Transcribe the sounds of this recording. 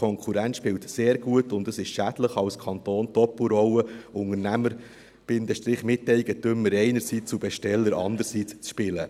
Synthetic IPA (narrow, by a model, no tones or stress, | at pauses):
ɔŋkʰuɾæntʃpɪwtseːɾɡ̥uətʊndəsɪʃʃæd̥ləχɑwskʰɑnt̪oːntɔpl̩ɾɔwəʊŋəɾnæməɾ | b̥ɪnd̪əʃtɾɪχmɪtːɛɪɡətʏmːəɾɛɪnəɾsiːt͡subɛʃtɛlːəɾɑ̰ndəɾsiːt͡st͡sʃpɪlə